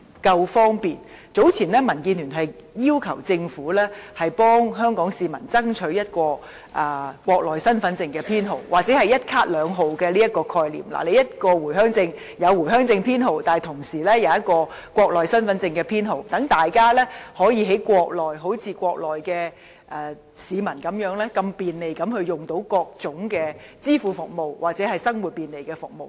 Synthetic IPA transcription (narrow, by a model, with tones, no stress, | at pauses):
kɐ˧wfɔː˥ŋpiː˨nt͡so˨˥wt͡sʰiː˨˩nlɛː˥mɐ˨˩nkiː˧nyː˨˩nɦɐ˨jjiː˥wkʰɐ˨˩wt͡sɪ˧ŋfuː˨˥lɛː˥hɐ˨jpɔː˥ŋɦœː˥ŋkɔː˨˥ŋsiː˨˧mɐ̰˨˩nt͡sɐ˥ŋt͡ʃʰɵ˨˥ɥjɐ˥t̚kɔː˧ | ʔaː˨˧kʷɔː˧k̚lɔː˨˩jsɐ˥nfɐ˨˥nt͡sɪ˧ŋkɛː˧pʰiː˥nɦo˨˩wwaː˨k̚t͡sɛː˨˥ɦɐ˨jɐ˥t̚kʰaː˥t̚lœː˨˧ŋɦo˨wkɛː˧liː˥jɐ˥t̚kɔː˧kʰɔː˧jlḭː˨˩mla̰ː˨˩le˨˧jɐ˥t̚kɔː˧wu˨˩jɦœː˥ŋt͡sɪ˧ŋ | jɐ˨˧wwu˨˩jɦœː˥ŋt͡sɪ˧ŋpʰiː˥nɦo˨˩wt̪aː˨˩t̪ʰʊ˨˩ŋsiː˨˩lɛː˥jɐ˨˧wjɐ˥t̚kɔː˧ | kʷɔː˧k̚lɔː˨jsɐ˥nfɐ˨˥nt͡sɪ˧ŋkɛː˧pʰiː˥nɦo˨˩wt̪ɐ˨˥ŋt̪aː˨jkaː˥lɛː˥hɔː˨˥jiː˨˧ɦe˨˥jkʷɔː˧k̚lɔː˨˩jɦo˨˥wt͡sʰiː˧kʷɔː˧k̚lɔː˨jkɛː˧ | ʔɛː˨ | siː˨˧mɐ˨˩nkɐ˨˥mjœː˨˥ŋlɛː˥kɐ˧mpiː˨nle˨˩jkɐ˨˧˥mhɵ˧ɥjʊ˨ŋt̪o˨˥wkɔː˧k̚t͡sʊ˨˥ŋkɛː˧t͡siː˥fuː˨˧˥fʊ˨k̚mo˨˩wwaː˨˩k̚t͡sɛː˨˥hɐ˨jsɐ˥ŋwuː˨t̚piː˨˩nle˨jkɛː˧fʊ˨k̚mo˨w